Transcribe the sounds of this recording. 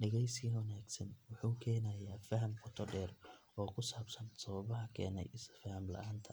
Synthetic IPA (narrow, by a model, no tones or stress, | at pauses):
ɖɐɣɛjswɐnaːɡsɐnwʊħuːkʰɛːnɐːjaːfɐɦɐmfɔt̪ʰɔɖɛːr | ɔːkʰʊsaːbsɐnsɔβɐβɐɦɐkʰɛ̰ːnɛ̰jʔɪsfɐhɐmlɐ̰ʔaːnt̪ʰɐ